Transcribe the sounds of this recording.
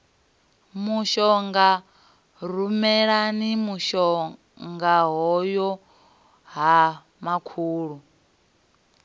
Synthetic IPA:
muʃɔŋɡa | ɾumɛɺanimuʃɔ | ŋɡaɦɔjɔ | ɦa | makʰuːɺu

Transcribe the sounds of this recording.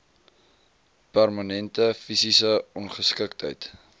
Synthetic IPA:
pærmanɛntəfisisəɔnχəskəktɦə̰jt

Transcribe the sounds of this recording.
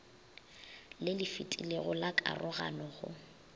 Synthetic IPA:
lɪlɪfɪtʼileɣʊlakʼa̰rʔʊɣa̰nɔɣʊ̰

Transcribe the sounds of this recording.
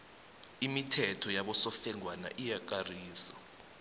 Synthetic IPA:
imitʰɛtʰɔjaɓɔsɔfɛŋʱwana̰ʔijak̬ʼariːsa

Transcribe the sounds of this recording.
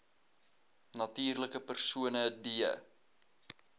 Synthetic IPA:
nɐtiːrləkəpərsuənədiə̰

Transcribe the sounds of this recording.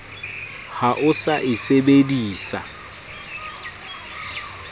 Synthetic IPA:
haʔʊsaʔɪsebediːsa̰

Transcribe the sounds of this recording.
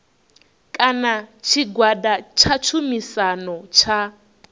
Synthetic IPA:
kʼanat͡ʃʰiɡwadat͡ʃʰat͡ʃʰumisanɔt͡ʃʰa

